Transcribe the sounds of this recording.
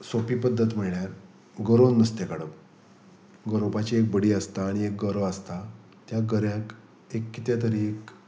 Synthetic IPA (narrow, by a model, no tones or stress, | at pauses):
sopipəd̪ʱːət̪m̤əɭɳjaɾ | ɡəɾonːəst̪ekaɽəp | ɡəɾopat͡ɕiek̚bəɽiːəst̪aːɽ̃iek̚ɡəɾəʋəst̪a | t̪jaɡəɾjãk | ekːit̪jat̪əɾiek